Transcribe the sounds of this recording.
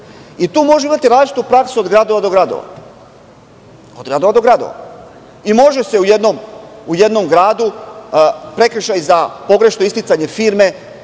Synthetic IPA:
it̪uːmo̞ʒeimat̪iɾaːzlit͡ʃit̪upɾaksuod̪ɡɾad̪o̞ʋad̪o̞ɡɾad̪o̰ʋa̰ | od̪ɡɾad̪o̞ʋad̪o̞ɡɾad̪o̰ʋa̰ | imo̞ʒe̞se̞uje̞d̪nomuje̞d̪no̞mɡɾaːd̪u | pɾe̞kɾ̩ʃajzapo̞ɡɾe̞ʃnoist̪it̪saɲefiːɾme̞

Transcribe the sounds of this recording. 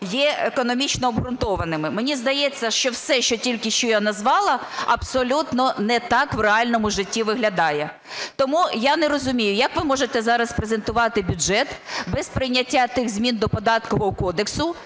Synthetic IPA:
jɛekɔnɔmʲit͡ʃnɔːbɦɾʊnt̪ɔʋɐnɪmɪmenʲizd̪ɐjɛt͡sʲːɐʃt͡ʃɔwsɛʃt͡ʃɔtʲilʲkɪʃt͡ʃɔjanɐzʋɑlˠɐ | ɐbsɔlʲut̪nɔnɛt̪ɑkʋreɑlʲnɔmʊʒɪtʲːiʋɪɦlʲɐd̪ɑjɛ | t̪ɔmujanɛɾɔzʊmʲijʊjɐkʋɪmɔʒet̪ɛzɑɾɐspɾezent̪ʊʋɑt̪ɪbʲʊd͡ʒɛt̪bɛspɾɪjnʲɐtʲːat̪ɪɣzʲmʲind̪ɔpɔd̪ɑt̪kɔɦɔkɔd̪eksʊ

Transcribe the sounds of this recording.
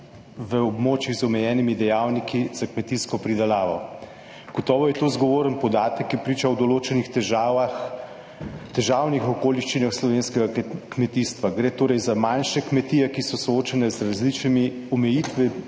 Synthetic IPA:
ʋəɔbmoːt͡ʃiɣzɔmɛjɛːnimid̪ɛjaːwnikʰizakmɛt̪iskɔpɾid̪ɛlaːʋɔ | ɡ̥ɔt̪ɔːʋɔjɛt̪oːzɡɔʋoːɾənpɔd̪aːt̪əkjɛpɾiːt͡ʃawd̪ɔloːt͡ʃɛnixɛx | t̪ɛʒaːwnixɔkoːliʃt͡ʃinaxslɔʋeːnskɛɡakmɛt̪ist̪ʋaɡɾeːt̪oːɾɛjzamanʃɛkmɛt̪iːjɛkisɔsɔoːt͡ʃɛnɛzɾazlit͡ʃnimiɔmɛjiːt̪ʋi

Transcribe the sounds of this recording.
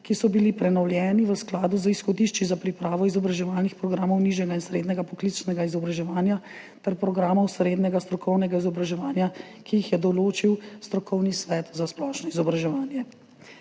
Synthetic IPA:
kisɔbilipɾɛnɔwljɛːniʋəsklaːd̪uzəisxɔd̪iʃt͡ʃizapɾipɾaːʋɔizɔbɾaʒɛʋaːlnixpɾɔɡɾaːmɔwniʒjɛɡainsɾeːd̪nɛɡapɔklit͡ʃnɛɡaizɔbɾaʒɛʋaːnja | t̪ɛɾpɾɔɡɾaːmɔwsɾeːd̪nɛɡast̪ɾɔkʰɔwnɛɡaizɔbɾaʒɛʋaːnja | kijixjɛd̪ɔloːt͡ʃiwst̪ɾɔkɔwnisʋɛt̪zasplɔʃnɔizɔbɾaʒɛʋaːnjɛ

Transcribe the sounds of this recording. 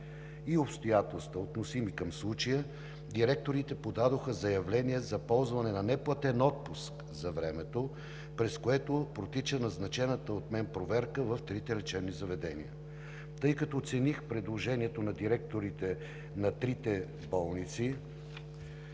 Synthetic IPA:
iopst̪ojat̪ɛlˠst̪vəot̪nosimikɐmslˠut͡ʃəjə | d̪iɾɛk̚t̪oɾit̪ɛpod̪ad̪oxəzɐjɐvlɛniɛzɐpɔlˠzvɐnɛnɐnɛplˠɐt̪ɛnɔt̪̚pusk | zɐvɾɛmɛt̪o | pɾɛskoɛt̪opɾot̪it͡ʃənɐznɐt͡ʃɛnət̪əot̪mɛnpɾovɛɾkəvəft̪ɾit̪ɛɾɛt͡ʃɛbnizɐvɛd̪ɛnḭə | t̪ɤjkɐt̪ɔːt̪sɛnixpɾɛd̪lˠoʒɛniɛt̪onɐd̪iɾɛk̚t̪oɾit̪ɛ | nɐt̪ɾit̪ɛ | bɔlˠnit̪si

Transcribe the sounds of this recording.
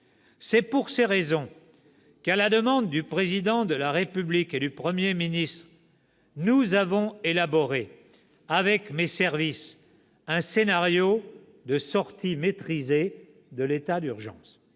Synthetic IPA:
sɛpuʁseʁezɔ̃ | kalad̪əmɑ̃d̪ːypχezid̪ɑ̃d̪əlaʁepybliked̪ypχəmjeminist̪χ | nuzavɔ̃elabɔʁe | avɛkmesɛʁvis | ɛ̃senaʁjo | d̪əsɔʁt̪imet̪χize | d̪əlet̪ad̪yʁʒɑ̰̃s

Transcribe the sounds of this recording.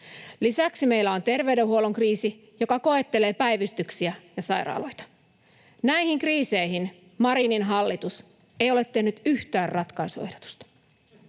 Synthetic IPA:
lisæksime̞ilːæo̞nt̪e̞rʋe̞ydeɦuo̞loŋkriːsi | jo̞kɑko̞e̞t̪ːele̞ːpæjʋyst̪yksiæjɑsɑjɾɑ̰ːlo̞̰jt̪ɑ̥ | næihiŋkriːse̞ihin | mɑɾininɦɑlːit̪us | e̞jo̞le̞t̪ːe̞hnyt̪yht̪æːrrɑt̪kɑisue̞hdot̪u̥st̪ɑ̥

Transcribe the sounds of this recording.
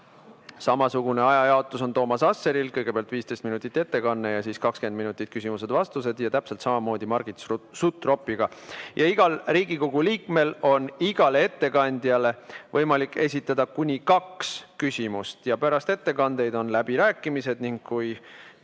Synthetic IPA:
sɑmɑsuɡ̥une̞ɑjɑjɑot̪ːˑuso̞nt̪o̞ːmɑsɑsːe̞ɾilkɤjɡ̥e̞peæɑlt̪viːst̪e̞jst̪minut̪ːˑit̪ːˑe̞t̪ːe̞kɑnːejɑsiːskɑkske̞nd̪minut̪ːˑit̪̚kys̬ʲimuse̞d̪vɑst̪us̬e̞d̪jɑt̪æpse̞lt̪sɑmɑmo̞ːd̪̥imɑrɡ̥it̪sut̪ːˑro̞pːˑiɡ̥ɑjʔɑiɡ̥ɑlriːɡ̥iko̞ɡ̥uliːkme̞lo̞niɡ̥ɑleet̪ːe̞kɑnʲd̪̥jɑle̞vɤ̞jmɑlikːe̞̰s̬ʲit̪ːˑɑd̪ɑkunʲikɑkskysʲimust̪jɑpæɾɑst̪e̞t̪ːe̞kɑnd̪̥e̞jd̪o̞nlæb̥iɾæːkːˑimise̞d̪̥niŋɡkːuj

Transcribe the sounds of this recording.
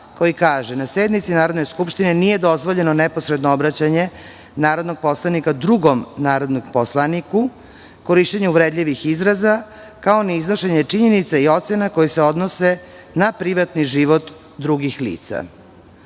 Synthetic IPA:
ko̞jikaːʒenased̪mit̪sinaːɾo̞d̪neskupʃt̪inenije̞d̪o̞zʋo̞ʎe̞nonepo̞sɾed̪noobɾat͡ɕaɲe̞ | naːɾo̞d̪no̞ɡ̚po̞slanikad̪ɾuɡomnaːɾo̞d̪noɡposlˠaniku | ko̞ɾiʃt͡ɕeɲuuʋɾed̪ʎʲiʋixizɾaza | kaoniiznoʃeɲe̞t͡ʂiɲenit̪saio̞t̪senako̞jiseo̞d̪nose̞ | napɾiʋat̪niʒiʋot̪ | d̪ɾuɡixlḭːt̪sa̰

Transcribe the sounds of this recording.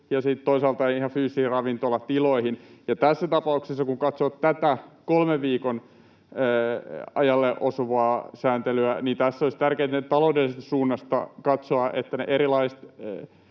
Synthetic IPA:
jɑsit̪t̪oisɑlt̪ɑihɑfyːsihirɑʋint̪olːɑt̪iloihinjɑt̪æsːæt̪ɑpɑuksesːɑkuŋkɑt̪soʋɑt̪t̪æt̪ækolmeʋʋiːkonː | ɑjɑlːeʔosoʋɑːsæːnt̪elyæniːnt̪æsːoist̪ærkeːt̪nett̪ɑloudelisest̪ɑ̥suːnːɑst̪ɑ̰kɑt̪soɑʔḛt̪ːænḛʔeɾilɑist̪

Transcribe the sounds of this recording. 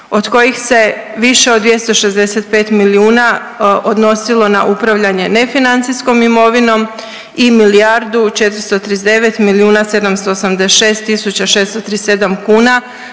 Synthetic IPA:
o̞d̪ko̞jixse̞ | ʋiʃe̞od̪ːʋje̞st̪o̞ʃe̞zd̪e̞se̞t̪̚pe̞ːt̪miliuːna | o̞d̪no̞silˠo̞na̰ʔupɾaʋʎaɲe̞ne̞finant̪sijsko̞mimo̞ʋino̞m | imilijaɾd̪ut͡ʃet̪ɾst̪o̞t̪ɾizd̪e̞ʋet̪miliuːnase̞d̪amst̪oːsamd̪eʃeːst̪ːisut͡ɕaʃeːst̪ot̪ɾiːse̞d̪amkuːna

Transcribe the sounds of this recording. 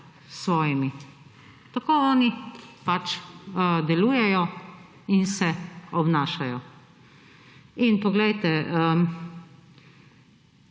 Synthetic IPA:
sʋɔːjimi | t̪akoːɔːnipat͡ʃ | d̪ɛluːjɛjɔ | insɛɔbnaːʃajɔ | inpɔɡlɛjt̪ɛə

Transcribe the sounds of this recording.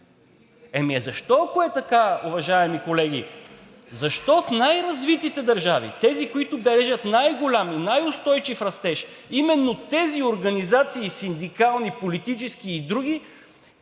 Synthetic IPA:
ɛmiɛzɐʃt̪ɔɐkoɛt̪ɐkaʊvɐʒaɛmikolɛɡʲḭ | zɐʃt̪ɔfnajɾɐzvit̪it̪ɛd̪ɐɾʒavḭt̪ɛzikoit̪ʊbɛɾɛʒɐt̪najɡolʲaminajʊst̪ɔjt͡ʃifɾɐst̪ɛʃ | imɛnːot̪ɛzioɾɡɐnizat̪siːsind̪ikalˠnipolit̪it͡ʃɛsk̟iːd̪ɾuɡ̟i

